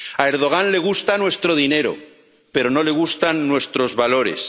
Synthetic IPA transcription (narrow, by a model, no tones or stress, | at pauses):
ae̞ɾð̞o̞ɣ̞anle̞ɣ̞ust̪anwe̞st̪ɾo̞ðine̞ɾo̞̰ | pe̞ɾo̞no̞le̞ɣ̞ust̪anːwe̞st̪ɾo̞zβalo̞ɾe̞̰s